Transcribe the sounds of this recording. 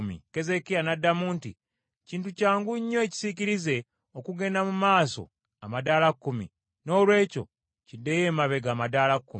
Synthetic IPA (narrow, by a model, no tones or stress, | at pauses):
mḭke̞ze̞kijanadːamuːntḭ | ciːntucaːŋɡuɲːoeci̥siciɾize̞ | okuɡe̞ːndamumaːso̞̰ | amadaːlakːumḭ | no̞ːlwe̞ːco̞̰ | cidːejeːmaβe̞ɡaːmadaːlakːum